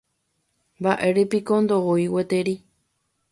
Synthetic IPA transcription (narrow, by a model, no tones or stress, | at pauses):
mbaʔe̞ɾipikond̪ooiwet̪eɾi